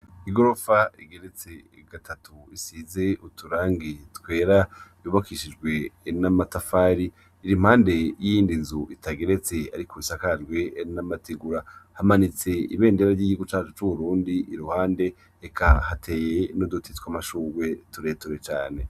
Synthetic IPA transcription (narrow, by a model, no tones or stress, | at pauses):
iɡoɾofaiɡe̞ɾe̞t͡se̞ | ɡ̥atʰatʰuisize̞utuɾaːŋɡitwe̞ːɾajuβakiʃid͡ʒɡwe̞namatafaːɾiː | ɾimhaːnde̞jiiːndizuʔitaɡe̞ɾe̞t͡se̞aɾikʰoisakad͡ʒɡwe̞namatiɡuɾahamanit͡se̞ḭβe̞ːndeɾaɾɟiːɟihuɡut͡ʃaːt͡ʃut͡ʃuβuɾuːndiiɾuhaːnde̞ | ekʰahatʰe̞ːje̞nodutʰitkwamaʃuːwe̞tuɾe̞ːtuɾe̞t͡ʃaːne̞